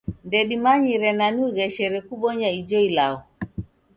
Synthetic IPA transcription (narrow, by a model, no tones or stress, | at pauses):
ndɛɗimaɲiɾɛnanuɣɛʃɛɾɛkuɓɔɲaid͡ʒɔilaɔ